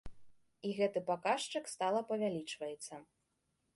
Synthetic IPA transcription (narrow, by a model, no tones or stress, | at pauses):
iɣɛt̪ɨpakaʂt͡ʂɨkst̪alˠɐpɐvʲalʲit͡ʂvɐjɛt̪sːɐ